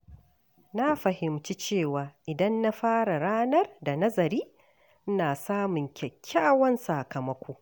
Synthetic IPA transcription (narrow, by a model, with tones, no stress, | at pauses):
na˦ɸɐ˨hɪ˨mt͡ʃi˦t͡ʃeː˦˨waː˨ʔɪ˨dɐ˦nːa˦ɸaː˦ɽa˨ɽaː˦nɐ˦rda˨nɐ˦zɐ˨ɾiː˦ | naː˨saː˦mʊ˨ŋkʲɛ˨kʲʰːaː˦wɐ˦nsaː˨kɐ˨mɐ˦kʷoː˦